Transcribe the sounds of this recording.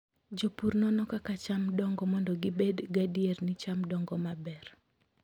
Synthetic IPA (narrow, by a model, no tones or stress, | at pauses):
d͡ʒopuɾnɔnɔkakat͡ʃamdɔŋɡɔmɔndɔɡɪbedɡadiernɪt͡ʃamdɔŋɡɔmabɛr